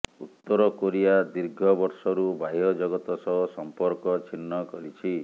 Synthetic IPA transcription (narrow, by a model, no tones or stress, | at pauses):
ut̪ːɔɾɔkoɾijad̪iɾɡʱɔbɔɾsɔɾubʱaɦiɔd͡ʒɔɡɔt̪ɔsɔɦɔsɔmpɔɾkɔt͡ʃʰinːɔkɔɾit͡ʃʰi